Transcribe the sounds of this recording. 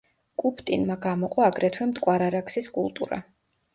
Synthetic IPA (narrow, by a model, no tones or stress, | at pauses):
kʼupʰt̪ʼinmaɡamɔqʼɔaɡɾɛt̪ʰwɛmt̪ʼkʼwaɾaɾakʰsiskʼṵlˠt̪ʼṵɾa̰